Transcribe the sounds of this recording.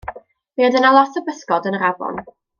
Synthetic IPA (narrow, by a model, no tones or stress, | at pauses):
miɔdɪnalˠɔθəbəskɔdənɾavɔ̰n